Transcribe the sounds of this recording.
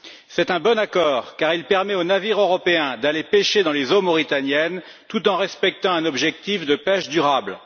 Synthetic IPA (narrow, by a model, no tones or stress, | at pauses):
sɛt̪ɛ̃bɔnakɔːʁkaʁilpɛʁmɛonaviʁøʁɔpeɛ̃d̪alepeʃed̪ɑ̃lezomɔʁit̪anjɛn | t̪ut̪ɑ̃ʁɛspɛk̚t̪ɑ̃ɛ̃nɔbʒɛk̚t̪ifd̪əpɛʃd̪yʁabl